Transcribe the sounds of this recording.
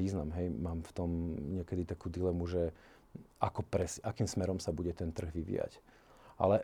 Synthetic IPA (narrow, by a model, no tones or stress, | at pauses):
iːznamɦɛjmaːmft̪ɔmɲɪɛkɛd̪it̪akuːd̪ilɛmuʒɛ | ʔakɔpɾɛsʔakiːmsmɛɾɔmsabuɟɛt̪ɛnt̪r̩ɣʋiʋḭːja̰c | ʔa̰lɛ